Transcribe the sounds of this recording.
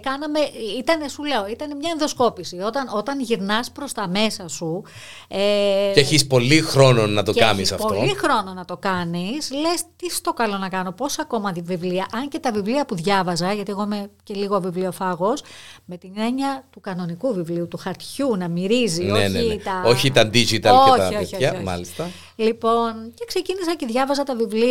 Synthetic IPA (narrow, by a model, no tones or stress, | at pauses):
kɐnɐme̞ʔit̪ɐne̞sule̞o̞it̪ɐne̞mɲɐenðo̞sko̞pisio̞t̪ɐno̞t̪ɐnʝiɾnɐspɾo̞st̪ɐme̞sɐsu | eeçispo̞lixɾo̞no̞nɐt̪o̞kɐ̰misɐ̰potloixɾo̞no̞nɐt̪o̞kɐnisle̞st̪isɐ̥st̪o̞kɐlo̞nɐkɐno̞po̞sɐko̞mɐvivliɐʔɐɲce̞t̪ɐvivliɐpuðʝɐvɐzɐʝɐt̪ie̞ɣo̞imece̞liɣoɐvivliofɐɣo̞sme̞t̪ine̞ɲɐt̪ukɐno̞nikuvivliut̪uxɐɾt̪çunɐmiɾizineneit̪ɐoçit̪ɐnd̪izit̪ɐoɐɐɐioiɐmɐ̰list̪ɐ | lipo̞nce̞kse̞cinisɐceðʝɐvɐzɐt̪ɐvivli